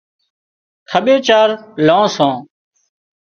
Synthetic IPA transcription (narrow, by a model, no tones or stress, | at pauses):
kʰəɓeːt͡ʃaːɾlãːsõː